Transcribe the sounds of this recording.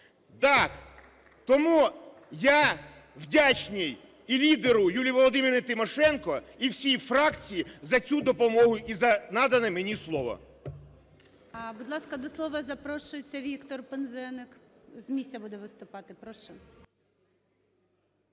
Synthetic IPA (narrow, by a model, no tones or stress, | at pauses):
t̪ɑk | t̪ɔmu | ja | wdʲat͡ʃnʲij | ilʲid̪eɾʊjulʲijʋɔlˠɔd̪ɪmʲɪɾɪt̪ɪmɔʃɛnkɔiwsʲijfɾɑkt͡sʲijizɐt͡sʲud̪ɔpɔmɔɦʊjʔizɐnɑd̪ɐnɛmenʲislˠɔʋɔ̰ | ɐbʊd̪lˠɑskɐd̪ɔslˠɔʋɐzɐpɾɔʃʊjet͡sʲːɐʋʲikt̪ɔrpenzɛnɪkzmʲisʲt͡sʲɐbud̪ɛʋɪst̪ʊpɑt̪ɪpɾɔʃɛ